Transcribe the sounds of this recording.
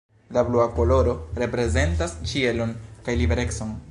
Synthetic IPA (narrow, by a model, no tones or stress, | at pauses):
labluako̞lo̞ɾo̞ɾe̞pɾe̞ze̞ntast͡ʃie̞lo̞nkajlibe̞ɾe̞kso̞n